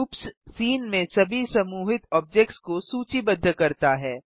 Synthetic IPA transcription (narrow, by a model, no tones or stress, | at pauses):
upssiːnmẽsɐbʱisɐmuːɦɪt̪ɔːp̚d͡ʒɛk̚ʈskosuːt͡ʃibɐd̪ʱːkɐɾt̪aɦɛː